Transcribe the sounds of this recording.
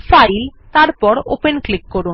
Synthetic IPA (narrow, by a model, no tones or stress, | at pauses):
fajlt̪aɾpɔɾo̰penklikːɔɾun